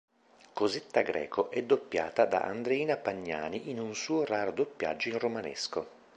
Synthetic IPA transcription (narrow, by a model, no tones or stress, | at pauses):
kozet̪ːaɡɾɛ̰ːkʰoʔɛd̪ːopːjaːt̪ad̪a̰ʔa̰nd̪ɾeiːnapaɲːa̰ːniʔinunsuːoɾaːɾod̪opːja̰d͡ʒːoinromanḛsko